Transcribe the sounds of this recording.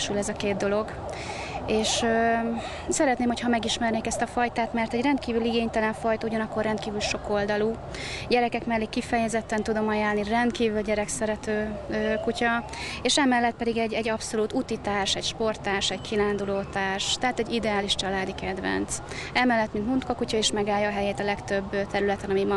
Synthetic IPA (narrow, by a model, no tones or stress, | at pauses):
ʃylɛzɒkeːd̪̚d̪o̞lo̞ɡ | eːʃø | sɛɾɛt̪neːmho̞cʰhɒmɛɡiʃmɛrneːkɛst̪ɒfɒjt̪aːt̪mɛrt̪ɛɟrɛnt̪kiːvyliɡeːɲt̪ɛlɛɱfɒjt̪ɒuɟɒnɒkːo̞rːɛnt̪kiːvylʃo̞ko̞ld̪ɒluː | ɟɛɾɛkɛkmɛlːiːkːifɛjɛzɛt̪ːɛnt̪ud̪o̞mɒjalnirɛnt̪kiːvylɟɛɾɛksɛɾɛt̪øːkucɒ | eːʃɛmɛlːɛt̪̚pɛd̪iɡɛɟːɛɟːɒpso̞luːt̪ut̪it̪aːrʃɛcʃpo̞rt̪aːrʃɛckʰilaːnd̪uloːt̪aːrʃt̪ɛɦaːt̪ɛɟid̪ɛaːliʃt͡ʃɒlaːd̪ikɛd̪vɛ̰nt̪s | ɛmɛlːɛt̪ːmint̪munt̪kɒkucɒeːʃmɛɡaːjɒːɦɛjeːt̪ɒlɛkt̪øbːt̪ɛɾylɛt̪ɛnɒmimɒ